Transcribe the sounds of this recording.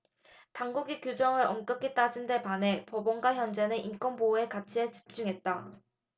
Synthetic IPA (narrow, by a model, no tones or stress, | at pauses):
taŋɡuɡikjod͡ʑʌŋɯɾʌmk͈ɯk͈ʰit͈ad͡ʑinde̞pane̞pobonɡwaçjʌnd͡ʑe̞nɯʔink͈wʌnboekat͡ɕʰiet͡ɕi̥p̚t͡ɕ͈uŋɦe̞t̚t͈a